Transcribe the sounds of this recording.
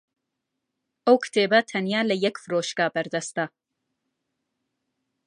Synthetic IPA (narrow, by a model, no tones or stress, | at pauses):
ʔɐwkʰɨ̥t̪ʰeːbɐt̪ʰɐnjaːlɐjɛkfɨɾoːʃkaːbɐɾd̪ɐst̪ɐ